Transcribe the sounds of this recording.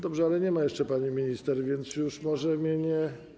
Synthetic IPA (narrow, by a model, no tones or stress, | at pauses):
d̪ɔbʐɛalɛɲɛmajɛʂt͡ʂɛpaɲimʲiɲist̪ɛɾvʲjɛnt̪sjuʂmɔʐɛmʲiɲɛ